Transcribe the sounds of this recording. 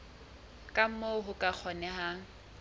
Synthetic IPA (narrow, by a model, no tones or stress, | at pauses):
kʼam̩moɦʊkʼak͡xʰɔnɛhaŋ̩